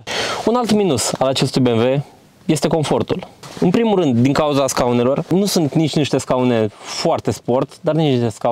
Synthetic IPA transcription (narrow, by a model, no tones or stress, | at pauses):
unalt̪minusalat͡ʃe̞st̪ujbemve̞ | je̞st̪e̞ko̞ɱfo̞rt̪ulɨnpɾimulrɨnd̪d̪iŋkauzaskaune̞lo̞rnusunt̪nit͡ʃʲniʃt̪e̞skaune̞foart̪e̞spo̞rt̪d̪arnit͡ʃnit̪eska